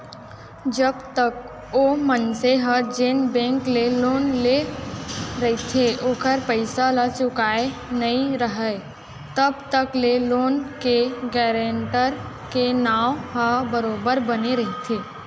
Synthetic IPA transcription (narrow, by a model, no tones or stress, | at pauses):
d͡ʒəbt̪ək | omənseɦəd͡ʒeːnbɛ̃ːŋkleloːnle | ɾɐɦet̪ʰeʔoːkəɾpəɪsalat͡ʃʊkaːenɐĩɾəɦə | t̪əbt̪əkleloːnkeɡɛːɾẽɳʈəɾ | kenaːwɦəbəɾoːbəɾbəneɾɐɦet̪ʰeː